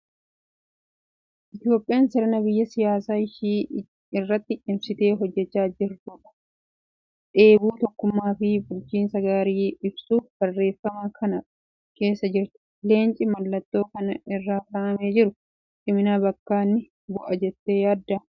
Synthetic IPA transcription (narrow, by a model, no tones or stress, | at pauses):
ʔɪt̪ɪjoːpʼɪjaːnsɪɾɐnɐbɪjːɐsɪjaːsaːɪʃiː | ɪrːɐt̪ːɪːmsɪt̪e̞ːɦɔd͡ʒːɛt͡ʃːaːd͡ʒɪɾt̪uːᶑɐ̥ | ᶑe̞ːbuːt̪ɔkːʊmːaːfɪbʊlt͡ʃiːnsɐɡaːɾiːɪbsuːfb̥ɐrːe̞ːfːɐmɐkʰɐnɐ | ke̞ːsːɐd͡ʒɪɾt̪ʊ̥le̞ːnt͡ʃʼɪmɐlːɐt̪ːo̞ːkɐnɐɪrːaːkaːʔɐmeːd͡ʒɪɾʊ | t͡ʃʼɪmɪnaːbɐkːaːnːɪ | bʊʔɐd͡ʒɛt̪ːe̞ːjaːd̪ːɐ